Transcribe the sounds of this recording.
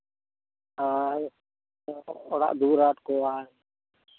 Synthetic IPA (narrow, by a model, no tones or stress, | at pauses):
ɦaː | ɔɽa̰ːʔd̪uːɾaːʈkoːaː